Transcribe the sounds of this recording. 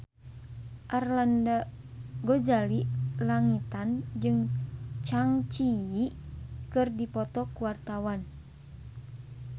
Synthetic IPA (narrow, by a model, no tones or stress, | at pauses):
ʔarlanda | ɡod͡ʒalilaŋit̪and͡ʒɨŋt͡ʃaŋt͡ʃijikɨrdipɔt̪ɔkuwart̪awan